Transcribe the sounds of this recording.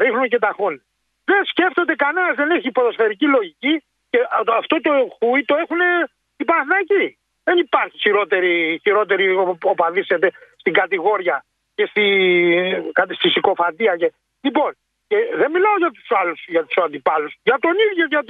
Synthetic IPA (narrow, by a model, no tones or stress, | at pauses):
ɾixnuce̞t̪ɐxon | ðensce̞ft̪o̞d̪ekɐnenɐzðe̞neçipoðosfeɾicilo̞ʝici | ceʔɐft̪o̞t̪oxuit̪o̞e̞xune̞ | ipɐθnɐci | ðenipɐɾçiçiɾo̞t̪e̞ɾiçiɾo̞t̪e̞ɾiopɐðiset̪e̞st̪iŋɡɐt̪iɣo̞ɾʝɐ | ce̞st̪i | kɐt̪ist̪isiko̞fɐt̪iɐce | lipo̞n | ceðe̞mmilaoʝɐt̪u̥sɐlusʝɐt̪u̥sɐnd̪ipɐlusʝɐt̪o̞niðjoʝɐt̪